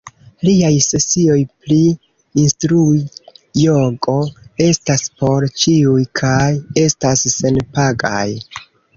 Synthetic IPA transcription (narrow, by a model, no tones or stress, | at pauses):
liajse̞sio̞jpliː | nstɾuijo̞ɡo̞e̞staspo̞ɾt͡ʃiujkʰaje̞stasːe̞npaɡa̰j